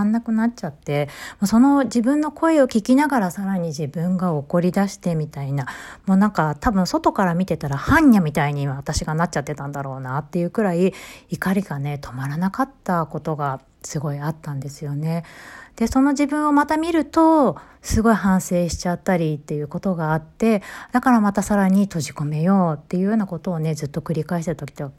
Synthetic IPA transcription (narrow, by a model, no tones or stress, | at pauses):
nːakɯ̟natt͡ɕat̪ːe̞moːso̞no̞d͡ʑibɯ̟̃nːo̞kʰo̞e̞o̞kʲikʲinaɡaɾasaɾaɲ̟iʑibɯ̟̃ŋɡao̞ko̞ɾʲid̪aɕi̥t̪e̞mʲit̪ainamo̞ːnãŋkat̪abɯ̟̃ɰ̃so̞t̪o̞kaɾamʲit̪e̞t̪aɾahãɲːamʲit̪aiɲ̟iβaβat̪aɕiɡanat̚t͡ɕat̪ːe̞t̪ãnd̪aɾo̞ːnat̪ːe̞jɯ̟ːkɯ̟ɾaiikaɾʲiɡane̞t̪ʰo̞maɾanakat̪ːako̞t̪o̞ɡa | sɨɡo̞iat̪ːãnd̪e̞sɨjo̞ne̞d̪̥e̞so̞no̞ʑibɯ̟̃ɰ̃o̞mat̪amʲiɾɯ̟t̪o̞ | sɨɡo̞iɦãɰ̃se̞ːɕi̥t͡ɕat̪ːaɾʲit̪ːe̞jɯ̟ːko̞t̪o̞ɡaːt̪ːe̞d̪̥akaɾamat̪asaɾaɲ̟it̪o̞ʑiko̞me̞jo̞ːt̪ːe̞jɯ̟ːjoːnako̞t̪o̞ːne̞zɨt̪ːo̞kɯ̟ɾʲikaeɕt̪eɾɯt̪okʲi̥t̪ːo